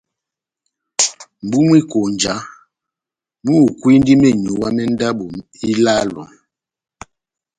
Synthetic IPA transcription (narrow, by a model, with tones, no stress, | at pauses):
m̩˨bu˦mwi˦ko˨n˨d͡ʒa˨˦ | mu˦˨kwi˦n˦di˦mɛ˦˨ɲu˨wa˦mɛ˦n˦da˦bo˨i˦la˦lɔ̰˨